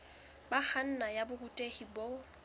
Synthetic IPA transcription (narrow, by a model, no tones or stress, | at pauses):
bak͡xʰan̩najabʊhutʼehibo